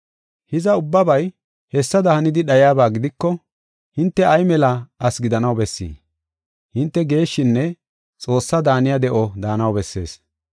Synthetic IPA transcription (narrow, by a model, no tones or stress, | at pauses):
hɪzɐʊbːɐbɐj | hɛsːɐd̪ɐhɐnɪd̪ɪɗɐjaːbaːɡɪd̪ɪkːɔ | hɪnt̪ːɛɐjmɛlɐɐsɡɪd̪ɐnɐwbɛsːḭː | hɪnt̪ːɛɡe̞ːʃːɪnːɛ | t͡sʼo̞ːsːɐd̪aːnɪjɐd̪ɛʔɔd̪aːnɐwbɛsːe̞̰ːs